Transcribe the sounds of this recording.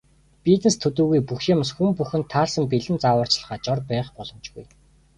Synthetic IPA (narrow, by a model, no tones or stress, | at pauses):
pit̪nĕst̪ʰɵt̪uːɣujpuxʃĭmsxumpuxɘ̆nt̪ʰːaːɮsə̆mpiɮɘ̆nt͡sawə̆ːr̥t͡ɕɮ̆χaːt͡ɕɔrpæːχpɔɮɞ̆mt͡ɕɡuj